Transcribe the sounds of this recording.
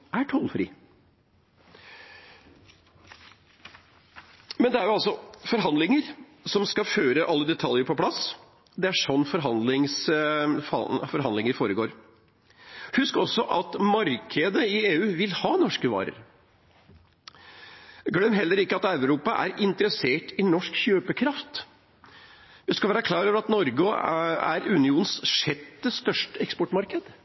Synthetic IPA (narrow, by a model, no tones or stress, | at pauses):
æʈʰɔlfɾḭː | mɛnd̪ɛæɾjʊɑlsɔfɔɾɦɑnd̪lɪŋəɾ | sɔmskɑføːɾəʔɑlːəd̪ɛt̪ʰɑljəɾpʰɔpʰlɑs | d̪ɛæʂɔnːfɔɾɦɑnd̪lɪŋsfɑ̰fɔɾhɦɑnd̪lɪŋəɾfoːɾəɡoːɾ | hʉskɔsːɔʔɑt̪mɑɾkʰəd̪əɪeːʉːʋɪlhɑːnɔʂkəʋɑ̰ːɾə̰ɾ | ɡlœmːɾɦɛlːəɾɪkːəɑt̪ɑʉɾuːpɑʔæ̰ɾɪnt̪əɾəseːʈɪnɔʂkçøːpəkʰɾɑft̪ | ʋɪskɑlʋæːɾəkʰlɑːɾøːʋəɾɑt̪nɔɾɡəæ̰ɾʉnɪuːnn̩sʂɛt̪ːəst̪œʂʈəɛkspɔʈmɑɾkəd̪